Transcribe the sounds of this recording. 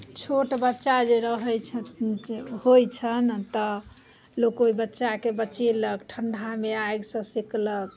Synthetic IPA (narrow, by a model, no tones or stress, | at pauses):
t͡ʃʰoʈbətːʃad͡ʒeɾəɦəjt͡ʃʰ | hojt͡ʃʰənt̪ɔ | lokoibətːʃakebətːt͡ʃeləkʈʰəɳɖʱameajɡsə̃siklək